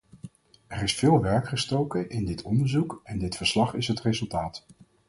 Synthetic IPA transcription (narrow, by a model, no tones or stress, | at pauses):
ɛɹɪsfɪːlˠʋɛɹkχəstowkəʔɪndɪtʰɔndəɹzukɛndɪtfəɹslɑχɪsɦətrezɵlˠtaːt